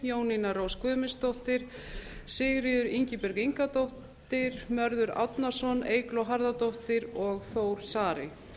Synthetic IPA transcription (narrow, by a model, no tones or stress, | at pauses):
joːwninaɾowskʰvœːmɪst̪owht̪ɪɾ̥sɪɣɾɪðʏɾiɲcɪpɛɾɣiŋkat̪owh | t̪ɪɾ̥mœɾðʏɾa̰wt̪naɾ̥sɔneːjklɔɦaɾðat̪owht̪ɪɾɔɣθoːwɾ̥saːɾɪ